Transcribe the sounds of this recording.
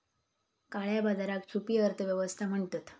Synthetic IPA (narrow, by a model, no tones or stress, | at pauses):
kaɭjabad͡zaɾak̚t͡ɕʰupijəəɾt̪ʰəʋjəʋəst̪ʰam̤əɳt̪ət̪